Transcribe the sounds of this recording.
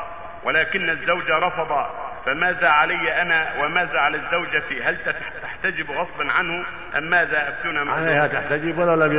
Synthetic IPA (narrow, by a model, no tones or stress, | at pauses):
wʔɪlaːkɪnːazːawd͡ʒaɾˤɑfɑd̪ˤɑfamaːðaʕalajːaʔanawamaːðaʕalazːawd͡ʒafiːɦalt̪a | t̪aħt̪ad͡ʒɪbɣɑsˤlɑnʕanhʊ | ʔamːaːðaʔaft̪uːnamaʕalajhat̪aħt̪ad͡ʒɪbwalawlːab